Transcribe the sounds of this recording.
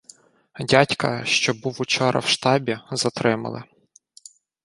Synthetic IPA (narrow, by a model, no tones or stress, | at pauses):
dʲatʲkɐ̰ʃt͡ʃɔbuwut͡ʃɔɾɐ̰wʃt̪ɑbʲizɐt̪ɾɪmɐ̰lˠɪ̰